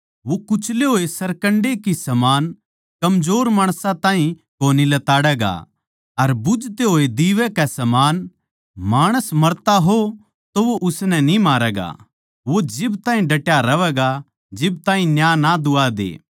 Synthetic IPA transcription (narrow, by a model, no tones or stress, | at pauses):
ʋokʊt͡ʃʰleɦoːesɐɾkɐɳɖekisɐmaːn | kɐmd͡ʒoːɾmaːɽ̃sãt̪ãːɦĩ | koːnilɐt̪aːɽɛːɡa̰ | ɐɾbʊd͡ʒt̪eɦoːed̪iːʋɛkɛsɐmaːn | maːɽ̃əsmɐɾt̪aɦo | t̪oʋoʔʊsnɛnĩmaːɾɛːɡa̰ | ʋod͡ʒɪbt̪ãːɦĩɖɐʈjaɾɐʋɛːɡa | d͡ʒɪb̚t̪ãːɦĩnjaːnad̪ʊad̪ḛː